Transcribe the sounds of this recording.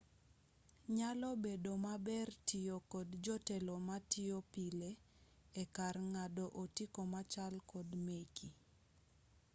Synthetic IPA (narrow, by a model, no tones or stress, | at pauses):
ɲalɔbedomabɛrtiokodd͡ʒɔtɛlomatiopile | ekarŋadoʔotikomat͡ʃalkɔdmeki